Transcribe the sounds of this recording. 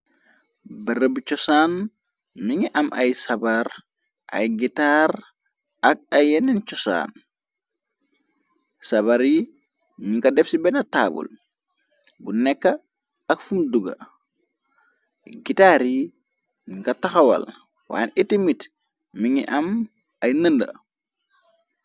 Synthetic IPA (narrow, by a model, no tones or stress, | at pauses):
bɐɾəbut͡ʃɔsan | miŋiʔɐmʔɐ̰jsɐbaɾ | ʔɐ̰jɡitaɾ | ɐk̚ɐjɛnɛnt͡ʃɔsa̰ːn | sɐbaɾji | miŋkɐdɛfsibɛnɐta̰ːbṵl | bunɛkːɐ | ɐkfumduɡɐ̰ | ɡitaɾji | miŋkɐtɐxɐwɐ̰l | wa̰ːnitːimit | miŋḭʔɐm | ɐjnəndə̰